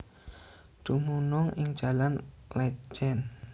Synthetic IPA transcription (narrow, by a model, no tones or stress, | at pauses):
d̪̥umunɔŋɪŋ̥ʒ̥ä̤lanlɛd͡ʒɛn